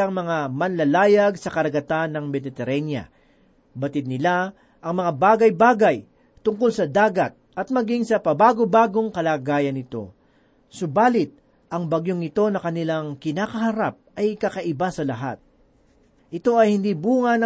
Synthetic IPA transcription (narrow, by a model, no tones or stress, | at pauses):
ɐŋmɐŋamɐnlɐlaːjɐɡsɐkɐɾɐɡɐt̪anːɐŋmɛd̪ɪt̪ɛɾɛnjɐ̰ | bɐt̪ɪd̪̚nɪla | ʔɐŋmɐŋabaːɡɐjbaːɡɐj | t̪ʊŋko̞lsɐd̪aːɡɐt̪̚ʔɐt̪̚mɐɡiŋsɐpɐbaːɡobaːɡo̞ŋkɐlaːɡaːjɐnɪt̪o̞̰ | sʊbaːlɪt̪̚ | ʔɐŋbɐɡjoŋɪt̪o̞nɐkɐnɪlaŋkɪnaːkɐɦɐɾap̚ʔɐjkɐkɐʔɪbasɐlɐɦa̰t̪̚ | ʔɪt̪o̞ɐjhɪnd̪ibuːŋɐnɐ